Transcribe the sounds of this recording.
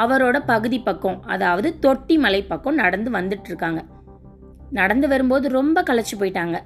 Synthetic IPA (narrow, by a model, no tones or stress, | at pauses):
ɐʋɐɾoːɽɐpɐɣɯðipːɐkːɔ̃ɐ̰ðaːʋɐðɯt̪ɔʈːimɐlɐɪpːɐkːɔ̃nɐɽɐnd̪ɯʋɐnd̪ɯʈːɯɾɯkːaːŋɡɐ | nɐɽɐnd̪ɯʋɐɾɯmboːðɯɾɔmbɐkɐɭɐt͡ʃːɯpoːjɪʈːaːŋɡɐ